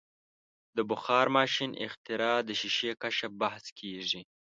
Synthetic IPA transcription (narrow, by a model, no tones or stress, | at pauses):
d̪əbʊxɑːɾmɑːʃinʔɪ̰xt̪ɪɾɑːd̪əʃiʃekaʃabahskʰeʐi